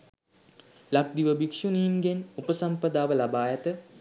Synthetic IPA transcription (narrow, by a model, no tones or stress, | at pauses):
lak̚d̪iʋəbikʂuniːnɡenupəsampəd̪aːʋəlabaːjat̪ə